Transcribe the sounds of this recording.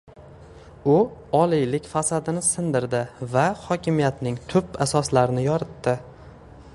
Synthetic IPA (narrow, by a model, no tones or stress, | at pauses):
ʊɒlijlɪkʲfasad̪ɪnɪsɪnd̪ɪɾd̪ɪvahɒkʲɪmijat̪nɪŋt̪ʰʊpasɒslaɾnɪjɒɾɪt̪ːɪ